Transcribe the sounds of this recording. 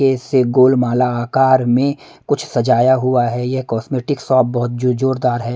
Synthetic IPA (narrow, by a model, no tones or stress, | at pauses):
eseɡoːlmaːlaaːkaːɾmẽ | kʊt͡ʃʰsɐd͡ʒaːjaɦuaɦɛjekɔːsmeːʈɪksɔːp̚bɔɦʊt̪̚d͡ʒd͡ʒoːɾd̪aːɾɦɛː